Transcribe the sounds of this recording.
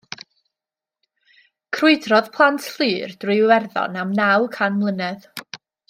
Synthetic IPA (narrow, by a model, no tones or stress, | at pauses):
kʰrɪɨdrɔðpʰlˠantʰɬɨːrd̥rɨwɛrðɔ̰namnawkʰanmlˠənɛð